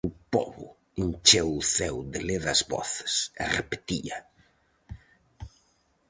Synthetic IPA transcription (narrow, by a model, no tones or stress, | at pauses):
ʊpɔ̰βʊ̰ | int͡ʃewʊθɛwd̪ɪleðɐzβɔ̰θɪ̥sɛrepe̥t̪iɐ